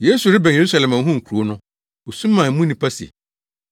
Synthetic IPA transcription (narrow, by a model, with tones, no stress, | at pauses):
je˦su˨ɾɪ˦bæ̃˨e˨ɾu˦sa˨lɛ˨mã˨˦ɦũ˦ŋ̩˨kʰu˨ɾu˨˦o˦nʊ̃˦ | o˨sũ˦mː˦ã˨˦mũ˦nĩ˨pʰa˦sḛ˨